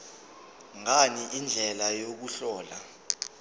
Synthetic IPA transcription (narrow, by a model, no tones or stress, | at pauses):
ŋaniʔind͡ɮʱɛlajok̬uɬɔːla